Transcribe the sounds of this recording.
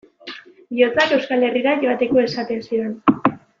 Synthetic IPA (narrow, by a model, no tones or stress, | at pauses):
bio̞t͡sake̞wskale̞riɾaʝo̞at̪e̞ko̞e̞sat̪e̞nsiɾe̞n